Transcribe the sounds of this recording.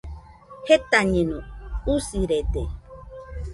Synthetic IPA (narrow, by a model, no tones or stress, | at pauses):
het̪aɲẽnõusiɾed̪e